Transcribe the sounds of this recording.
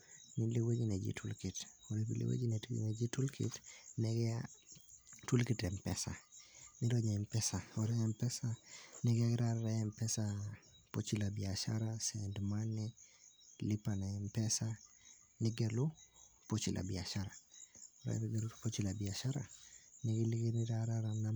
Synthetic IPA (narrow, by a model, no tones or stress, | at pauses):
nilewed͡ʒined͡ʒḭtʰulkitoɾipḭlḛwḛd͡ʒinḛned͡ʒitulkʰɪ̰tnɛɡɛa | tulkitɛmpɛ̰sa̰nɪɾɔɲɛmpɛsaɔɾɛɛmpɛsanɛɡaɡɪɾaɾɛɛmpɛsa | pot͡ʃilabiaʃa̰ɾasɛndmani | lipanɛmpɛsa | niɡelupot͡ʃilʔa̰biaʃaɾaɾa̰iɡelupot͡ʃilabiaʃaɾa̰niɡiliɡiniɾaɾaɾana